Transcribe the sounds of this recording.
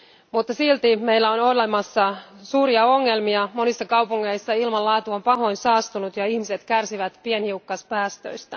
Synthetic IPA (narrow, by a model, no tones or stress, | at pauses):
mut̪ːɑsilt̪imeilːæonolemɑsːɑsuːɾiɑo̞ŋːelmiɑmo̞nisːɑkɑwpuŋːeisːɑilmɑlːɑːt̪uompɑɦo̞insɑːst̪unut̪jɑihmiset̪kærsiʋæt̪pienhiukːɑspæːst̪ø̰jst̪æ